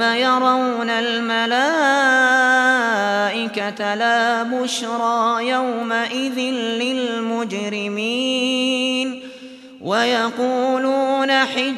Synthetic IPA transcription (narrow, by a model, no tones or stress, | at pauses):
ajɑɾˤɑwnalmalaː | ʔɪkat̪alaːbʊʃɾˤɑːjawmaʔɪðɪnlɪlmʊd͡ʒɾɪmiː | n | wajɑquːluːnaħɪ